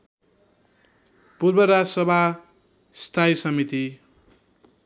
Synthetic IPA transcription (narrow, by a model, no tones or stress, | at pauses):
purbʌɾasʌbʱa | st̪ʰajsʌmit̪i